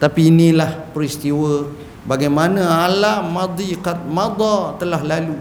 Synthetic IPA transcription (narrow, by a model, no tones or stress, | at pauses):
t̪apiːnilahpəɾist̪iwə | baɡajmanaalamad̪ˤikat̪̚mad̪ɔt̪əlaɦlalu